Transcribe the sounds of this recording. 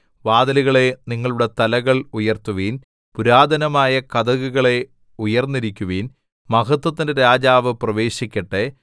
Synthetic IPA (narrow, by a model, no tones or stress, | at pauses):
ʋaːd̪ɐluɣɐɭe̞niŋːɐɭuɽet̪ɐlɐɣɐɭujɐrt̪uʋiːn | puɾaːd̪ʱɐnɐmaːjɐkɐd̪ɐɣuɣɐɭe̞ | ujɐrnːiɾikʲːuʋiːn | mɐɣɐt̪wɐt̪ːindeɾaːd͡ʑaːʋɨprɐʋe̞ːɕikʲːɐʈːe